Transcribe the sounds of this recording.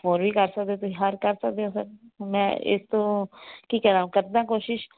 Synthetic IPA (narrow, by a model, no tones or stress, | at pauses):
ɦoːɾʋiːkəɾsək̚d̪eːt̪ʊsĩːɦəɾkəɾsək̚d̪eõːsəɾmɛ̰̃ːɪ̰st̪õːkiːkɛɾãːũːkəɾd̪ãːkoːʃɪʃ